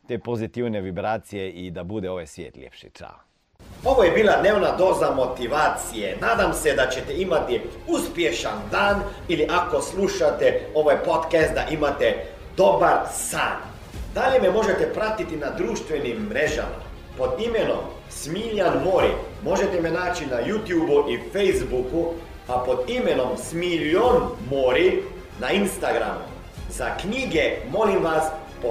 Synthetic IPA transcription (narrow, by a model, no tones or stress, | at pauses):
t̪eːpozit̪iwneʋibɾaːt̪sijeid̪abud̪ɛoʋajsʋjḛːt̪lʲḛpʃḭt͡ʃa̰ | o̞ʋojebiːlad̪neːʋnad̪o̞ːzamo̞t̪iʋaːt̪sijenaːd̪amsɛd̪at͡ɕɛt̪ɛimat̪iuspjeʃand̪aːniliʔakosluʃat̪ɛo̞ʋajpot̪kɛst̪d̪aʔimat̪ɛ | d̪obaɾsaːn | d̪aʎɛmɛmoʒet̪ɛpɾat̪it̪inad̪ɾuːʃt̪ʋɛnimːɾeʒa̰ma̰ | pod̪imɛno̰m | smiːʎanmoːɾḭ | moʒet̪ɛmɛnaːt͡ʃinajuːt̪juːbuʔifejzbuku | apod̪imɛnomsmilonmoːɾi | nainst̪aɡɾa̰mṵ | zakniːɡɛmoːlimʋas | p